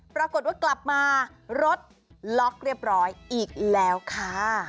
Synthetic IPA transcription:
pɾa˧ko˨˩t̪̚waː˥˩kla˨˩p̚maː˧ɾo˦˥t̪̚ | lɔ˦˥k̚ɾi˥˩əp̚ɾɔː˦˥jʔiː˨˩k̚lɛː˦˥wkʰa˥˩

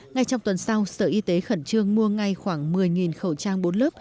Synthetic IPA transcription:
ŋa˧jt͡ɕɔ˧wŋ͡mt̪wə˨˩nsa˧wsəː˧˩ʔi˧t̪e˨˦xə˧˩nt͡ɕɨ˧əŋmu˧əŋa˧jxwaː˧˩ŋmɨ˨˩əjŋi˨˩nxə˨˩wt͡ɕaː˧ŋɓo˨˦nləː˦˥p̚

